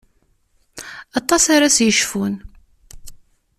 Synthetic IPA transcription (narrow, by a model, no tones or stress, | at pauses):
ɑt̪ˤːɑsaɾasjəʃfun